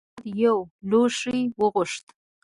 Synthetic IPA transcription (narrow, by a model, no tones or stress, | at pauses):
d̪jawloʂijwəɣʊʂt̪